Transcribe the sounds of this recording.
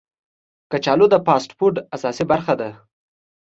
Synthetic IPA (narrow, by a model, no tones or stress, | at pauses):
kat͡ʃɑlod̪əpɑsʈpoɾɖasɑsibaɾxad̪a